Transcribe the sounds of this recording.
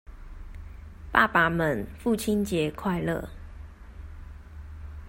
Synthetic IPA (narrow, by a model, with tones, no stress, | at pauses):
pa̰˥˨pa˨˦mə˨˦nfu˥˨t͡ɕʰi˦nt͡ɕjɛ˨˦kʰwa˥˨ɪlə̰˥˨